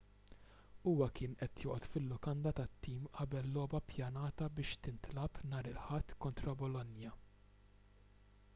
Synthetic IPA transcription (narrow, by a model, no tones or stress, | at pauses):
uːwɐkɪːnʔɛt̪jɔːʔɔt̪fɪlːʊkɐnd̪ɐt̪ɐt̪ːiːmʔɐbɛlːɔːbɐpjɐnɐːt̪ɐbɪːʃt̪ɪnt̪lɐpnɐːɾɪlħɐt̪ːkɔnt̪ɾɐbɔlɔnjɐ